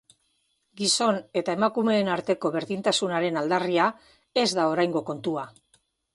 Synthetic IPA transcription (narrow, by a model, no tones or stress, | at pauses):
ɡiso̞ne̞t̪ae̞makume̞ːnaɾt̪e̞ko̞βe̞ɾðint̪asunaɾe̞nald̪aria | e̞zd̪ao̞ɾajŋɡo̞ko̞nt̪ua